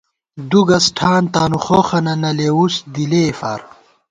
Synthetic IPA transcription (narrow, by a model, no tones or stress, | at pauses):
d̪uɡɐsʈʰaːnt̪aːnuχoːχɐnɐnɐleːusd̪ileːfa̰ːɾ